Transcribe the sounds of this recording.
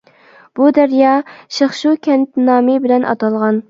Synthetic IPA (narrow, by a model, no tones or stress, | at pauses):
b̥ud̪ɛɾjɑːʃeχʃukʲʰɛnt̪nɑːmɪbɪlɛnʔɑ̰t̪ɑlˠʁɑn